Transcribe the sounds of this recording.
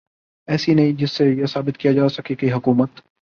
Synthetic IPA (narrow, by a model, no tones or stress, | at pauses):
ɛːsinɐɦĩd͡ʒɪsːejesaːbɪt̪̚kijad͡ʒaːsɐkikiɦʊkuːmət̪